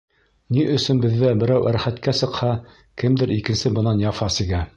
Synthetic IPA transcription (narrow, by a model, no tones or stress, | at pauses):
niʔɵ̆sɵnbɘ̆ðːæbɘ̆ɾæwʔæɾχæt̪kæsɤ̆qhɑ | kɘmd̪ɘɾʔikɘ̆nsɘbɤ̆nɑnjɑfɑsɘ̆ɡæ